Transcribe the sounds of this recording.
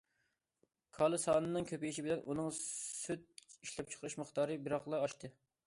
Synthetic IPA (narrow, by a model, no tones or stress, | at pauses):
kʰɑlˠɨsɑːnɨnɨŋkʲʰøpijiʃibɪlɛnʔunɨŋsyt̪̚iʃlɛp̚t͡ʃʰə̥qʰəɾɨʃməχt̪ɑːɾɨbiɾɑχlˠɑɑʃt̪ʰɨ